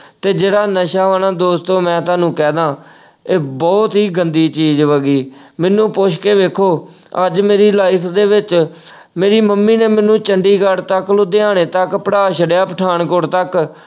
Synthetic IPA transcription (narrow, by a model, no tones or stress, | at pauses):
t̪eːd͡ʒeːɽaːnəʃaːʋaːnãːd̪oːst̪õːmɛ̃ːt̪aːnũːkɛːd̪ãː | eːbɔːt̪ɦiːɡənd̪iːt͡ʃiːd͡ʒʋəɡiːmɛnːũːpʊʃkeːʋeːkʰoː | əd͡ʒmeːɾiːlaːɪkʰd̪eːʋɪt͡ʃ | meːɾiːməmːiːneːmɛ̃nũːt͡ʃəɳɖiːɡəɽt̪əklʊd̪eːaːɽeːt̪əkpəɽaːʃəɖjaːpəʈʰaːɳkʊɽt̪ək